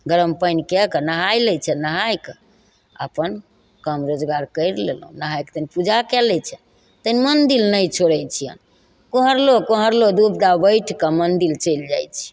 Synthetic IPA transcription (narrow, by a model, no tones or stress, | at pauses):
ɡəɾəmpəjnkɛkənəɦajlɛt͡ʃʰɛnəɦajk | ə̰pən | kəmɾod͡ʒɡaɾkəjɾlḛlɦũnəɦajkt̪ənipud͡ʒakɛlɛt͡ʃʰɛ | t̪ənimənd̪ilnəjt͡ʃʰoɽɛjt͡ʃʰijə̰n | koɦəɾlokoɦəɾlod̪upd̪abəjʈʰkəmənd̪ilt͡ʃəjld͡ʒa̰jt͡ʃʰi̥